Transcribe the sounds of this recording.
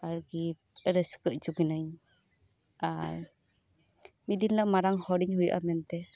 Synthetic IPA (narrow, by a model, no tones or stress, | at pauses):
aɾɡi | ɾəskəʔd͡ʒuɡinaɲ | aɾ | mid̪inlaʔmaɾaŋhɔɾiŋhujʔa̰mɛnt̪ɛ